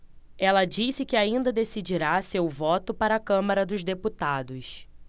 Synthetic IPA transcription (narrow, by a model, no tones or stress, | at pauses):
ɛlɐd͡ʒisɪkɪaĩnd̪ɐd̪esid͡ʒiɾasewvɔt̪ʊpaɾɐakɐ̃mɐɾɐd̪ʊʒd̪eput̪ad̪ʊs